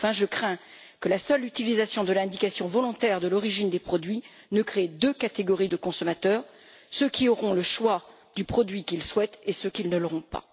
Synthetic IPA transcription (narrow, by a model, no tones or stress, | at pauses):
ɑ̃fɛ̃ʒəkχɛ̃ | kəlasœlyt̪ilizasjɔ̃d̪əlɛ̃d̪ikasjɔ̃vɔlɔ̃t̪ɛʁd̪əlɔʁiʒind̪epχɔd̪ɥi | nəkχed̪økat̪eɡɔʁid̪əkɔ̃sɔmat̪œːʁ | søkʰʲiɔʁɔ̃ləʃwa | d̪ypχɔd̪ɥikilswɛt̪esøkilnəlɔʁɔ̃pa̰